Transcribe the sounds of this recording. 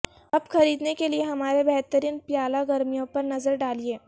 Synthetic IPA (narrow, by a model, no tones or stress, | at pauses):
ɐbxɐɾiːd̪nekelieɦɐmaːɾebɛɦt̪əɾiːnpjaːlaɡɐɾmijõpɐɾnɐzəɾɖaːlieː